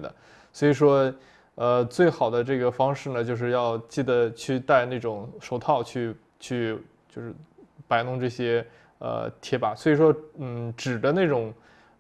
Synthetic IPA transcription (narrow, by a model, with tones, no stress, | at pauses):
d̪ə̰˩ | swɔ˧˥i˨˩ʂwɔ˥ | ə˧t͡swe˥˩ɪxɑ˨˩ʊd̪ə˦ʈ͡ʂɤ˥˩ɡə˩fɑ˥ŋʂɻ̩˥˩nə˩t͡ɕjo˥˧ʊʂ̬ɻ̩˥˧jɑ˥˧ʊt͡ɕi˥˩d̪ə˩t͡ɕʰy˥˧t̪a˥˧ɪna˥˩ɪʈ͡ʂʊ˨˩ŋʂo˧˥ʊt̪ʰɑ˥˧ʊt͡ɕʰy˥˩ | t͡ɕʰy˥˩ | t͡ɕjo˥˧ʊʂɻ̩˥˩pa˧˥ɪnʊ˥˧ŋʈ͡ʂɤ˥˩ɕjɛ˥ | ə̰˧t̪ʰjɛ˧˥pa̰˨˧˩swɔ˧˥i˨˩ʂ̬wɔ˥n̩˥˩ʈ͡ʂɻ̩˨˩d̪ə˦na˥˩ɪʈ͡ʂʊ˨˩˦ŋ